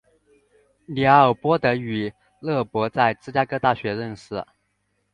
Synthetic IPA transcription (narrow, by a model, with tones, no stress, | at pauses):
li˧˥ə˨˩pwɔ˥t̪ɤ˧˥y˨˩˦ | lɤ˥˩pwɔ˧˥t͡sa˥˧ɪt͡sɹ̩˥t͡ɕja˥kɤ˥t̪a˥˩ɕɥɛ˧˥ɻə˥˧nʂɻ̩˥˩